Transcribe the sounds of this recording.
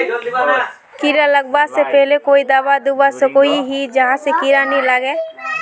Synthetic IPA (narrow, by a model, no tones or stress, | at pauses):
kiːɾaləɡ̚basepɛɦlekoːid̪aːbad̪ubasekoːiɦid͡ʒɐɦãsekiːɾanĩlaɡɛː